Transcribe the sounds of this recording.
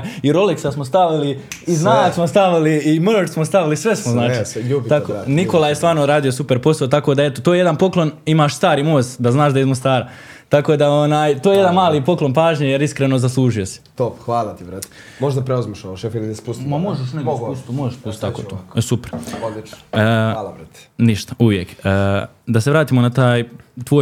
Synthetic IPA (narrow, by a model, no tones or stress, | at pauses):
jiɾo̞liksasmost̪aʋili | iznaːsmost̪aʋiliimot͡ʃsmost̪aʋilisʋe̞smoznaːt͡ʃiʎubit̪aoniko̞lajest̪ʋaːɾnoɾaːd̪ijo̞supeɾpo̞saot̪akod̪ae̞t̪ot̪ojjed̪anpo̞klˠo̞nimaːʃst̪aːɾimoːst̪d̪aznaːʃd̪aizmost̪aːɾa | t̪ako̞ːd̪aonaːjt̪ojeje̞d̪anmaːlipo̞klˠo̞npaːʒɲejeɾiskɾenozaslˠuːʒijo̞si̥t̪opxʋaːlˠat̪iʋɾat̪ | moʒd̪apɾeuzmiʃooʃefilid̪espusmamoʒeʃneɡesust̪umoʒeʃspust̪akoːosupɾot͡ʃː | ɾt̪niʃt̪ḁuʋjekəd̪aseʋɾaːt̪iːmo̞nat̪aːjt̪ʋo̞ːj